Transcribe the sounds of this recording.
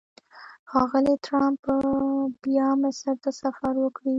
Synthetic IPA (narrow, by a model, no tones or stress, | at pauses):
xɑɣəlit̪ɾampəbjɑmasaɾt̪asafaɾwəkɽi